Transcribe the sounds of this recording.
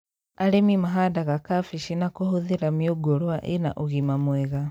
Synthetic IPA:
aɾemimaɦadaɣakafiʃinakohoðiɾamioɡoɾwaʔena̰ʔoɣimamweɣa

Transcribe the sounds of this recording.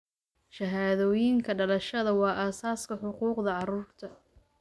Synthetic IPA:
ʃɐɦaːðɔːjɪŋkʰɐɖɐlɐʃɐðɐwɑːʔaːsaːskʰɐħʊquːqðɐʕɑɾuːrt̪ʰɐ

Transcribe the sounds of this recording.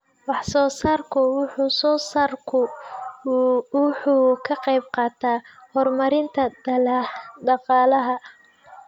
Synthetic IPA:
wɑħsɔːsaːrkʰʊwʊħuːsɔːsaːrkʰʊ | wʊħuːkʰɐqɑjb̚qɑːt̪ʰaːhɔrmɐɾɪnt̪ʰɐd | d̪ɑqɑːlɐɦɐ

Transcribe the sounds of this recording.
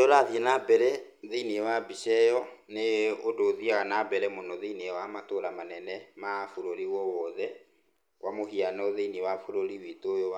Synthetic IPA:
ɔɾaθjɛnabɛɾɛ | ðeiniɛwabiʃɛjɔ | neodoːðiaɣanabɛɾɛmonɔðeiniɛwamatoɾamanɛnɛmafoɾoɾiwɔwɔðɛ | kwʔamoɦianɔðeiniwafoɾoɾiwitojo

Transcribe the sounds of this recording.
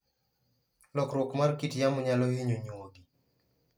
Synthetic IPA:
lɔkɾwɔkmarkitjamʊɲalɔhiɲoɲoɡi

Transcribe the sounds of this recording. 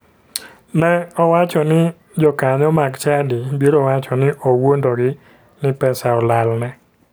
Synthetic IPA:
nɛɔwat͡ʃɔnɪ | d͡ʒɔkaɲɔmaɡt͡ʃadibeɾowat͡ʃɔnɪʔowondoɡɪ | nɪpɛsaɔlalnɛ

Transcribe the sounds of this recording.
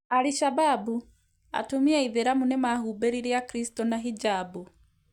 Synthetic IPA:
aɾiʃababu | a̰tumiaiðeɾamunɛmaːhuːbɛɾiɾjakiɾistɔnaɦid͡ʒaːbu

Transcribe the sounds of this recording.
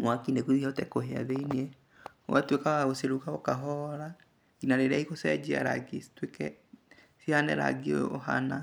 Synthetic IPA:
mwakineɣuiɔtɛkoɦea̰ðeiniɛ | o̰atwekaaɣoseɾuɣaokaɦɔɾa | inaɾeɾeaiɣosɛd͡ʒea̰ɾa̰ɡestwekɛ | sianɛ̰ɾa̰ɡeo̰ɦa̰na

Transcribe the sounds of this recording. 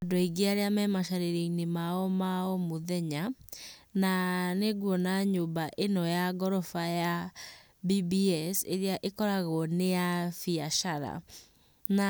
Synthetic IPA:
dɔiɡeaɾeamɛmaʃaɾeɾeinemaɔmaɔmoðɛɲa | naneɡwɔnaɲobaʔenɔjaɡɔɾɔfaja | bibiɛseɾeaʔekɔɾaɣɔneafiaʃaɾa̰ | na

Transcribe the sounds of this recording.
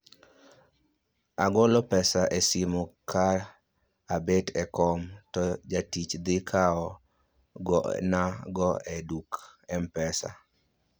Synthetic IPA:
aɡɔlɔpɛsaʔesimokʰar | abetɛkɔmtɔd͡ʒatit͡ʃd̪ɪkʰaɔ | ɡɔnaɡɔɛdukɛmpɛsa̰

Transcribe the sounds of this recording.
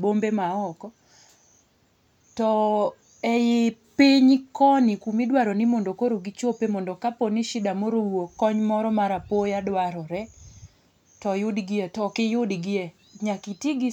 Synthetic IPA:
bombemaɔkɔ | tɔ | ɛjɪpiɲkɔnɪkumɪdwaɾɔnɪmondokoɾoɡɪt͡ʃopemɔndɔkaponɪʃɪdamoɾowokɔɲmɔɾɔmaɾapojadwaɾɔɾɛ | tɔjʊdɡɪɛtɔkɪjʊdɡɪɛ | ɲakitiɡɪ

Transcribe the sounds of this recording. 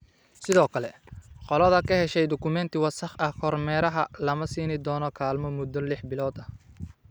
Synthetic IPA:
sɪðɔːkʰɐlɛ | qɔlɐðɐkʰɐɦɛʃɛjd̪ɔkʰʊmɛnt̪ʰɪwɐsɐχɐhkʰɔrmɛːɾɐɦɐlɐmɐsiːnɪd̪ɔːnɔkʰaːlmɔmʊd̪ːɔlɪħbɪlɔːd̪ɐ

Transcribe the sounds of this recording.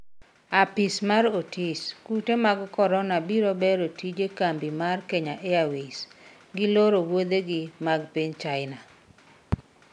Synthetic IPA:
apismaɾotʰiskutemaɡkɔɾɔnabiɾobeɾotid͡ʒekambimarkeɲaʔeawis | ɡɪloɾowod̪eɡɪmaɡpiɲt͡ʃajɪna

